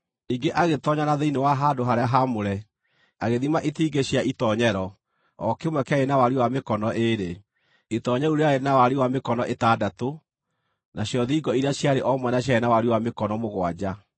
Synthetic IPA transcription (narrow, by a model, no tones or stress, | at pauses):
iɡeʔaɣetɔɲanaðeinewaɦadoɦaɾeaɦamoɾɛ | aɣeðimaʔetiːɡeɕjaʔitɔɲɛɾɔ | ɔkemwɛkaenawaɾiwamekɔnɔʔeɾe | etɔɲɛɾuɾeaenawaɾiwamekɔnɔʔetaːdato | nʔaɕjɔðiːɡɔiɾeaɕjaɾeʔɔmwɛnaɕjaenawaɾiwamekɔnɔmoɣwad͡ʑa